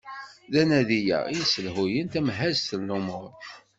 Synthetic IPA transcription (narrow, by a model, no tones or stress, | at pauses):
ðænæðijæ̰ijsəlhujənt̪æmɦæzθəlːumʊɾ